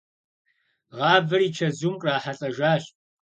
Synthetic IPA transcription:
ʁɑːbɨriːt͡ʃʰɐzumkʼraːħaɬʼɐʒaːɕʼ

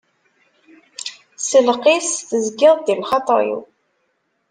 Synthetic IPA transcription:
səlqisθəzɡɪðˤdilχɑt̪ˤɑ̰ɾḭ

